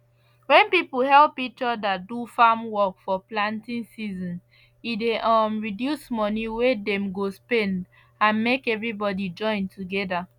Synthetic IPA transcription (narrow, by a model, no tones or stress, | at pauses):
wɛ̃npipuɦɛlppit͡ʃɔdatdufamwɔkfɔplãntĩnsizɔ̃n | ideʔɔmɹidjusmɔniwedɛ̃mɡospɛ̃nd | ãnmekɛvɹibɔdid͡ʒɔ̃ɪ̃ntuɡɛda